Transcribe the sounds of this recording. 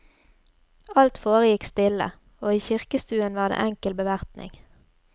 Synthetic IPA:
ɑlt̪foːʁəjɪkst̪ɪlə̰ | oːiːçɪʁkəst̪ʉːənʋɑːʁd̪ḛːʔɛŋkəlbəʋæʁt̪nɪ̰ŋ

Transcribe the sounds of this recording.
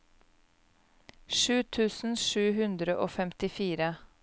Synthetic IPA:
ʃʉːt̪ʰʉːsn̩ʃʉːɦʉnd̪ɾəʔoːfɛmt̪ɪfiːɾə

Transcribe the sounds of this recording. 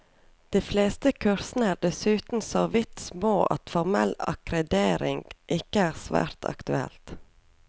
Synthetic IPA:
d̪̥iːfleːst̪əkʰʉɾsn̩əæːɖ̪ɛsʉːt̪n̩sɔʋɪt̪smoːʔɑ̰t̪fɔɾmɛlɑ̰kɾɛd̪eːɾɪŋɡʔɪkəæːʁsʋæ̰ːɾt̪ʰɑ̰kt̪ʉɛ̰lt̪

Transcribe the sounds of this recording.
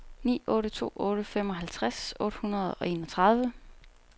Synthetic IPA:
nḭːɔ̽ːɾət͡sʰo̝̰ːɔ̽ːɾəfem̰ɒ̽ɦælt͡sʰʁasɔ̽ːɾ̥əhunɐð̞̩ˠɒ̽e̝ːnɒ̽t͡sʰʁɑ̈ð̞ˠʋə

